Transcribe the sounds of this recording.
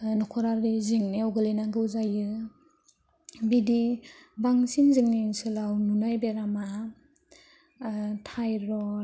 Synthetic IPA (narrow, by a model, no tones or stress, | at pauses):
nɔkʰɔɾaɾiziŋneɔwɡɯlenaɡɯuzajɯ | bidibaŋsinziŋniŋsɯlawnunajbeɾama | tʰajɾɔ